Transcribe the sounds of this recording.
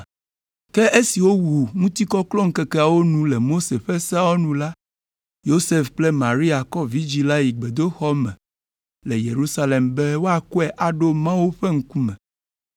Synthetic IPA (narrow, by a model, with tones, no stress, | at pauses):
ke˦ʔe˦si˨wo˦wu˨ŋũ˦t̪i˦kɔ˦klɔ˦ŋ̩˦ke˦kɛ˦a˨wo˦nũ˦le˨mo˦se˨ɸe˦sa˦wo˦nũ˦la˦ | jo˦se˦fk͡plɛ˦mã˨ɾi˦a˨kɔ˦vi˦d͡ʑi˦la˦ji˨ɡ͡be˨d̪o˦xɔ˦mɛ̰̃˨ | le˨jḛ˨ɾu˦sa˦le˨mbe˦wo˦a˨ku˦ɛ˦ʔa˨ɖo˦mã˦wu˦ɸe˦ŋ̩˦ku˦mɛ̃˨